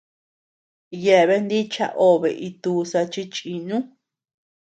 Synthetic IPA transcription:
je˧˨βe˧nd̪i˦t͡ʃa̰˦˧ʔo˦βḛ˨ʔi˧t̪uː˧sa˧t͡ʃi˦t͡ʃʼi˧nũ˦

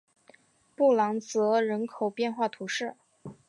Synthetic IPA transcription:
pu˥˩lɑ˧˥ŋt͡sɤ˧˥ɻə˧˥nkʰo˨˩ʊpjɛ˥˧nxwa˥˩t̪ʰu˧˥ʂɻ̩˥˩

